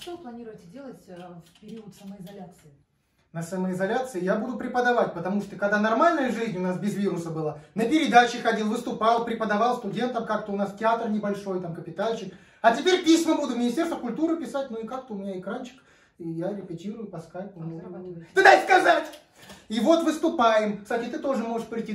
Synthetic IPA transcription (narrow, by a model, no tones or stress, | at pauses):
ʂt̪oplˠɐnʲiɾʊjɪtʲɪdʲelˠətʲfpʲɪɾʲiʊt̪səməɪzɐlʲat̪sɨɪ | nəsəməɪzɐlʲat̪sɨɪjabud̪ʊpɾʲɪpəd̪ɐvatʲpət̪ɐmuʂt̪əkɐɡd̪anɐrmalʲnəjəʐɨzʲnʲʊnasbʲɪzvʲiɾʊsəbɨlˠanəpʲɪɾʲɪd̪at͡ɕɪxɐdʲilˠvɨst̪ʊpɑlˠpɾʲɪpəd̪ɐvalˠst̪ʊdʲe̞nt̪əmkak̚t̪əʊnastʲɪat̪rnʲɪbɐlʲʂo̞jt̪amkəpʲɪt̪alʲt͡ɕɪk | ɐtʲɪpʲeɾʲpʲisʲməbud̪ʊmʲɪnʲɪsʲtʲerst̪vəkʊlʲt̪uɾɨpʲɪsat̚ʲnuɪkak̚t̪əʊmʲɪnʲaɪkɾant͡ɕɪ̥k | ijaɾʲɪpʲɪtʲiɾʊjʊpɐskajkʊnot̪ɨd̪ajskɐzatʲ | ivo̞t̪vɨst̪ʊpajɪmsat̪ʲit̪ɨt̪o̞ʐɨmoʐɨʂpɾʲɪtʲi